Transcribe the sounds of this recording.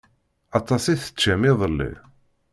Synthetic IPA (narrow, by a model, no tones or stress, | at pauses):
ɑt̪ˤɑsiθə̥t͡ʃːæmiðˤəlːḭ